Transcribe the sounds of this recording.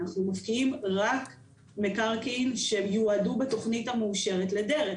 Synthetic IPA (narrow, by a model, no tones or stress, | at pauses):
aχnumafkiimʁak | mekaʁkinʃejuadubeto̞χnitameːʃe̞ʁetlede̞ʁe